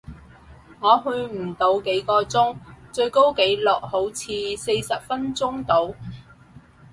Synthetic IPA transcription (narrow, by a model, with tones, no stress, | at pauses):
ŋɔː˨˧ɦɵ˧ɥm̩˨˩t̪o˨˧wke˨˥jkɔː˧t͡sʊ˥ŋt͡ʃɵ˧ɥko˥wke˨˥jlʊ˨k̚ho˨˥wt͡sʰiː˧se˧jsɐ˨p̚fɐ˥nt͡sʊ˥ŋt̪o˨˧w